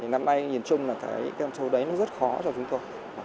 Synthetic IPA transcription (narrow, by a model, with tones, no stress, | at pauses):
i˨˩na˧mna˧jɲi˨˩ənt͡ɕʊ˧ŋ͡mlaː˨˩k̪ʰaː˧˩jkaː˧t͡ɕə˧wɗə˨˦jnɔ˨˦zə˦˥t̚xɔ˨˦t͡ɕɔ˧t͡ɕʊ˨˦ŋ͡mt̪o˧j